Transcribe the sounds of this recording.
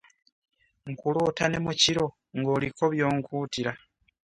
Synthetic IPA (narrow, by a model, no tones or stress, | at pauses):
ŋkuloːtane̞muciɾo̞ | ŋɡoːlikʰo̞βjo̞ːŋkuːtiɾa